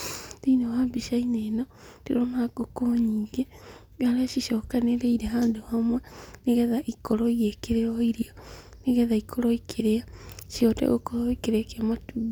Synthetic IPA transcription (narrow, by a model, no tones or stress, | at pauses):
tinowabiʃaineno | tiɾonakokoɲiːŋɡe | ɡalaʃiʃoːkaneɾeiɾeɦaːnduhamweniɣeðaʔikoɾoiekeɾeoiɾio | niɣeðaikʰoɾoikʰeɾeaʃiotḛɣokoɾoikeɾekematub